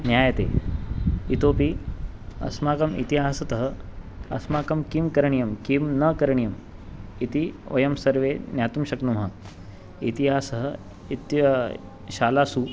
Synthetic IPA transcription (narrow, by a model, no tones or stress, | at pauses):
njaːjɐt̪ḛː | it̪oːpi | ɐ̰smaːkɐmḭt̪iɦaːsɐt̪ɐɦɐ | ɐ̰smaːkɐmkimkɐɾɐɳijɐmkimnɐkɐɾɐɳijɐm | it̪iʋɐjɐmsɐɾʋeːnjaːt̪umʃɐknumɦɐ | it̪iɦaːsɐɦɐ̆ | it̪ | ʃaːlaːsu